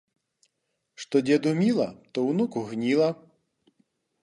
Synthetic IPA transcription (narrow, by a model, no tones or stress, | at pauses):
ʂt̪ɔd͡zʲɛd̪umʲilˠɐt̪ɔwnukuɣnʲilˠɐ